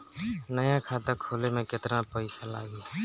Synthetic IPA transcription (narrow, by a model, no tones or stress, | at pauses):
nəjãkʰaːt̪əkʰoːlemẽkɪt̪napəɪsala̰ːɡiː